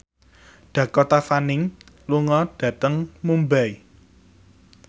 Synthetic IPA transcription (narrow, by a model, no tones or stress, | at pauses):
ɖ̥ä̤kɔt̪afanɪŋ | luŋɔɖ̥ä̤t̪əŋmumbai